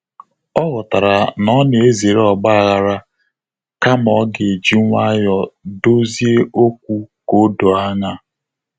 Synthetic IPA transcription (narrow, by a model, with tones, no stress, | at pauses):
ɔ˦ɣɔ˨ta˨ɾa˨nɔ˦ne˨e˦ze˨ɾe˦ɔ˨ɡ͡ba˦˨ɣa˨ɾa˦ | ka˦mɔ˨˦ɡe˨e˨d͡ʒi˦ŋʷa˦jɔ˦do˦zi˦e˦o˦k̚ʷu˦ko˨˦do˨a˦ɲa˦